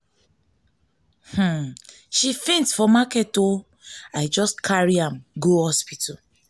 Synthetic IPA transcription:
h̩ | ʃifĩnsfɔmakɛto | aɪd͡ʒɔskʰaɹiãmɡohɔspitʰɔ

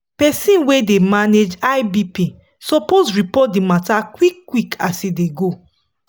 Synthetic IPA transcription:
pɛsĩnwedemaned͡ʒajbipi | sɔpozɹipɔt̚dimatakwikːwikasideɡo

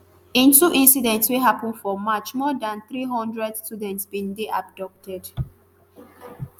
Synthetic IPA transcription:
ĩntuʔĩnsidɛ̃ntsweɦapə̃nfɔmat͡ʃmɔdãnθɹiɦɔ̃ndɹɛdstudɛ̃ntsbĩndeʔab̚dɔp̚tʰɛd̥

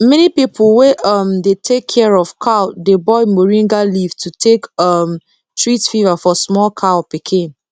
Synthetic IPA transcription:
mɛnipipʰlweʔʌmdetʰekʰːɛɹɔv̥kʰadebɔmoɹĩŋɡaliv̥tʰutʰekʌm | tʰɹitfivafɔsmɔlkʰaɔpikʰĩn

